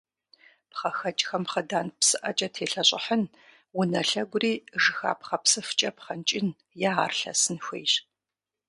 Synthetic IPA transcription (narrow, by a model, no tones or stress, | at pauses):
pχɐxɐt͡ʃʼxɐmχədaːnpsɨʔɐ̰t͡ʃʼɐtʰeːɬɐɕʼɪ̰ħən | wʊnɐɬɐɡʷʊriːʐɨxa̰ːpχɐpsɨft͡ʃʼɐpχɐnt͡ʃʼɪn | jaaːrɬɐ̰sɨnxʷḛjɕ